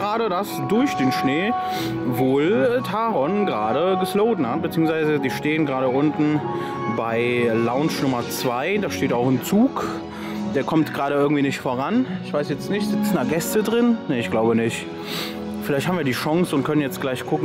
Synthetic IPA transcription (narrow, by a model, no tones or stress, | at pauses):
ʁaːɾədasd̥ʊɐçd̥eːnʃneː | voːltʰaːʁɔnɡʁaːɾəɡəsloʊdn̩hat̚bət͡siːʊŋsv̥aɪzəziːʃteːənɡʁaːɾəʔʊntn̩ | baɪlaʊnt͡ʃnʊmɐt͡sv̥aɪdaːʃteːtaʊxɪnt͡suːk | d̥eːɐkʰɔmtɡ̥ʁaːɾəʔɪɐɡŋ̩tv̥iːnɪçtfoːʁanɪçv̥aɪsjɛt͡stnɪçtz̥ɪt͡sn̩daɡɛstədʁɪnnəɪçɡ̥laʊbənɪçt | fɪlaɪçthabmviɐdiːʃɔŋsʊntkʰœnənjɛt͡stɡ̥laɪçkʰʊkŋ̩